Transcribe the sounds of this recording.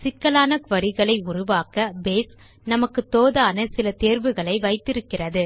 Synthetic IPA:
sɪkːɐlaːnɐkʋɐɾɪɣɐɭɐɪʊrʊʋaːkɐbeːs | nɐmɐkːɯt̪oːðaːnɐsɪlɐt̪eːɾʋɯɣɐɭɐɪʋɐɪt̪ːɪɾɯkːɪrɐðɯ

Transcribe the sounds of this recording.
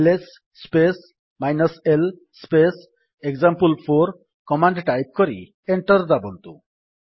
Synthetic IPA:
lesː | pes | majnɔsel | spes | ekzampulpʰoɾ | kɔmaɳɖʈajp̚kɔɾḭ | eɳʈɔɾd̪abɔnt̪u

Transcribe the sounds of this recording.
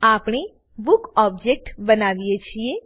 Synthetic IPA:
aːpɽ̃e | bʊkɔːb̚d͡ʒek̚ʈbənaːʋijet͡ʃʰie

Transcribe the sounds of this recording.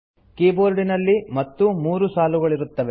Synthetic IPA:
keːboːɾɖinɐlːimɐt̪ːumuːɾusaːluɡɐɭiɾut̪ːɐʋe

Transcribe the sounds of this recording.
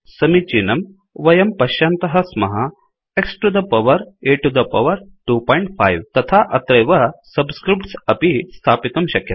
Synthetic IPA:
sɐmit͡ʃiːnɐm | ʋɐjɐmpɐɕaːnt̪ɐɦɐsmɐɦɐ | eksʈud̪ɐpɐʋɐɾeːʈːud̪ɐpɐʋɐɾʈupɔ̃jɳʈ̚fʰajʋt̪ɐt̪ʰaʔɐt̪ɾɐjʋɐsɐbskɾip̚ʈsɐpist̪ʰaːpit̪ɐmɕɐkjɐt̪

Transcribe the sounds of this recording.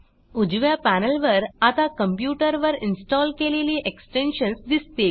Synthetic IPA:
ud͡ʑʋjapænəlʋəɾat̪akəmpjuʈəɾʋəɾinsʈɔlkeleliːʔeksʈenɕənsd̪ist̪e

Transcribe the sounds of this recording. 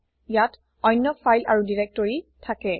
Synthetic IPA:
jat | ɔjnːɔfʰajlʔa̰ɹudiɹɛk̚tɔɹitʰakɛ

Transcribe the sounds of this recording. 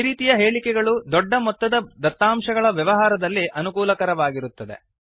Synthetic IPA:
ɾiːt̪ijɐɦe̞ːɭikɛɡɐɭud̪ɔɖːɐmɔt̪ːɐd̪ɐd̪ɐt̪ːaːmʂɐɡɐɭɐʋjɐʋɐɦaːɾɐd̪ɐlːiʔɐnukuːlɐkɐɾɐʋaːɡiɾut̪ːɐd̪ḛ

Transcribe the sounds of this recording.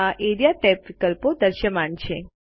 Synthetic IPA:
aʔeɾijaʈepʋikəlpod̪əɾʃəmant͡ɕʰe

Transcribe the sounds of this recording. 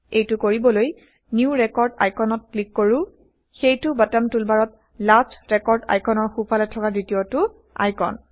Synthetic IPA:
ejtʊkoɹibɔloj | niuɹɛkɔɹda̰jkʰɔnɔt̚klikːoɹʊ | xejtʊbatamtulbaɹɔt̚ | lasɹɛkɔɹda̰jkʰɔnɔɹxupʰalɛtʰɔkazitiotʊ | a̰jkɔ̰n

